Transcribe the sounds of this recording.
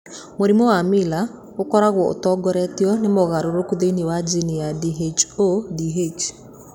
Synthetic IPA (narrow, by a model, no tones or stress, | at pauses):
moɾimowamila | okɔɾaɣwɔo̰tɔɡɔɾɛtjɔnemɔɣaɾoɾokuðeiniwad͡ʒinijadiɦet͡ʃodiɦet͡ʃ